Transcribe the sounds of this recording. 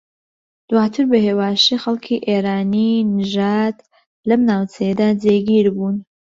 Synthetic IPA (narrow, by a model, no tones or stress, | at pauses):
d̪̥waːt̪ʰɨɾbɐheːwaːʃixɐlˠkʰiʔeɾaːninɨʒad̪ | lɐmnaːwt͡sʰɐjed̪aːd͡zeɡiɾbun